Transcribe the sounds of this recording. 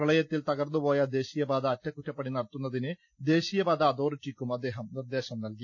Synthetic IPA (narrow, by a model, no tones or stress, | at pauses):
ɐɭɐjɐt̪ːilt̪ɐɣɐrnːupo̞ːjad̪e̞ːɕijɐbaːd̪aːtːɐkːutːɐpːɐɽinɐɽɐt̪ːunːɐðinɨ | d̪e̞ːɕijɐbaːd̪aːd̪o̞ːrit͡ɕːikʲːumɐd̪ːe̞ːɦɐmnird̪e̞ːɕɐmnɐlki